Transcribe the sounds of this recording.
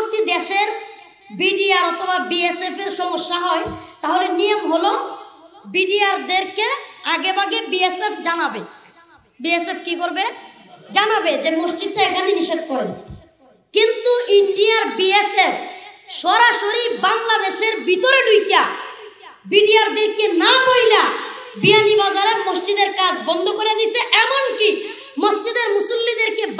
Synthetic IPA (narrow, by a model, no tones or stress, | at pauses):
nt̪id̪eʃeɾ | biɖiaɾɔt̪ʰobabiesepeɾʃɔmoʃːaɦɔet̪aɦolenijomɦolo | biɖijaɾd̪eɾkeaɡebaɡebiesepʰd͡ʑanabe | biesepʰkikoɾbe | d͡ʑanabed͡ʑemoʃt͡ɕid̪ːoekʰaniniʃed̪kɔɾen | kint̪uiɳɖiaɾbiesepʰʃɔɾaʃoɾibaŋlad̪eʃeɾbit̪oɾeɖujkːa | biɖiaɾd̪eɾkenamojlabianibad͡ʑaɾemosd͡ʑid̪eɾkad͡ʑʰbɔnd̪ʱokoɾed̪isʰeʔɛmonki | mosd͡ʑid̪eɾmusulːid̪eɾke